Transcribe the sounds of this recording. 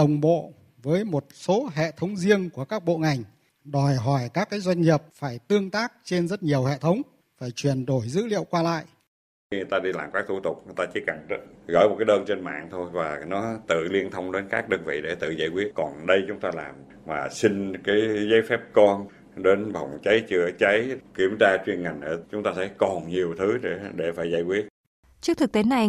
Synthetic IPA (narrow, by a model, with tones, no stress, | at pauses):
ɗə˨˩wŋ͡mɓo̰˧˨ | vəː˨˦jmo˨˩t̚so˨˦ɦḛ˧˨t̪ʰə˨˦wŋ͡mzi˧əŋku˧˩əkaː˦˥k̚ɓo̰˧˨ŋa˨˩jŋ̟ | ɗɔ˨˩jɦɔ˧˩jkaː˦˥kːaː˨˦jzwa˧jŋ̟ɲi˨˩p̚faː˧˩jt̪ɨ˧əŋt̪aː˦˥k̚t͡ɕe˧nzə˦˥t̚ɲi˨˩əwɦḛ˧˨t̪ʰə˨˦wŋ͡m | faː˧˩jt͡ɕwi˨˩ənɗo˧˩jzɨ̰˧˥lḭ˧˨əwkwaː˧la̰ː˧˨jʔ | i˧ɨ˨˩t̪aː˧ɗi˧laː˨˩mkaː˦˥k̚t̪ʰu˧˩t̪ʊ˨˩k͡p̚ŋɨ˨˩t̪aː˧t͡ɕi˨˦˥ka˨˩ŋt̚ɣɔ̰˧˩jmo˨˩kaː˨˦jɗəː˧nt͡ɕe˧nma̰ː˧˨ŋt̪ʰo˧jvaː˨˩nɔ˨˦t̪ɨ̰˧˨li˧ənt̪ʰə˧wŋ͡mɗe˨˦nkaː˦˥k̚ɗə˧nvḭ˧˨ɗe˧˩t̪ɨ̰˧˨za̰ː˧˩jkwi˦˥ət̚kɔ˨˩nɗə˧jt͡ɕʊ˨˦ŋ͡mt̪aː˧laː˨˩m | vaː˨˩si˧ŋ̟kaː˨˦jzə˨˦jfɛ˦˥p̚kɔ˧n | ɗe˨˦nɓa˨˩wŋ͡mt͡ɕa˨˦jt͡ɕɨ˧ət͡ɕa˨˦jki˧˩əmzaː˧t͡ɕwi˧ənŋa˨˩jŋ̟ə˨˩t͡ɕʊ˨˦ŋ͡mt̪aː˧t̪ʰə˧˨˦jkɔ˨˩nɲi˨˩əwt̪ʰɨ˨˦e˧˩ɗe˧˩faː˧˩jzaː˧˩jkwi˦˥ət̚ | t͡ɕɨ˦˥k̚t̪ʰɨ˨˩k̚t̪e˨˦na˨˩j